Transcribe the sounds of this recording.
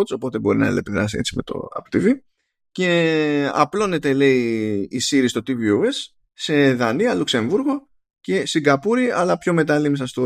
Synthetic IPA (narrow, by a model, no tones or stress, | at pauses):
so̞po̞t̪e̞bo̞ɾinɐḛlḛpiðɾɐ̰siet͡sime̞t̪o̞̰ɐ̰po̥t̪ivi | ce̞ɐ̰plo̞ne̞t̪e̞le̞iisiɾist̪o̞t̪iviue̞sː | e̞ðɐniɐlukse̞ɱvuɾɣo̞ | ce̞siɡɐpuɾiɐlɐpço̞me̞t̪ɐlimisɐst̪o